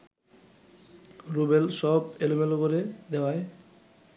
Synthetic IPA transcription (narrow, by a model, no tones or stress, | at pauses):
ɾubelʃɔbelomelopoɾed̪ewae